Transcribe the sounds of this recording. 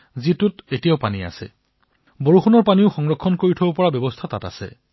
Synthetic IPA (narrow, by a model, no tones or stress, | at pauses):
zitʊtetijaʊpania̰sɛ̰ | boɹuxunɔɹpaniʊxɔŋɹɔkʰːɔnkoɹitʰobopɔɹabjɔbɔstʰatata̰sɛ̰